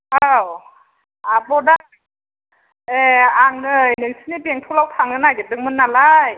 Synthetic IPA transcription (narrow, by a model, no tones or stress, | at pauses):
aw | abɔda | eaŋnɯjnɯŋsɯnibeŋtʰulawtʰaŋlɯnajɡetɯŋ̚mɯnːalaj